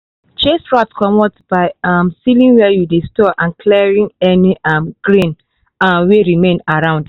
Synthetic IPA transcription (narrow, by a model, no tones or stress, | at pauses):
t͡ʃesɹɔtskʰɔmɔtbaɪamsilĩŋwɛjudestɔʔãnkʰlɛɹĩŋɛniʔʌmɡ̥ɹĩn | weɹimẽnaɹãʊ̃nd